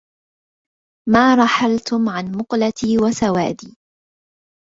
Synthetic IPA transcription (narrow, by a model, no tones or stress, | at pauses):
maːɾˤɑħalt̪ʊmʕanmʊqlat̪ʰiːwasawa̰ːd̪iː